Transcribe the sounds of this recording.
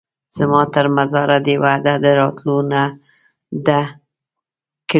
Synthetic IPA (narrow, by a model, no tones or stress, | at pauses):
z̥əmɑt̪əɾmazɑɾad̪ewad̪ad̪əɾɑt̪lona | d̪ə | k